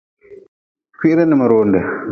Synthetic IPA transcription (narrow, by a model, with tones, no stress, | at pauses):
ki˦ʔɾɛ˦nɨ˨ma˨ɾoː˨ndɛ˨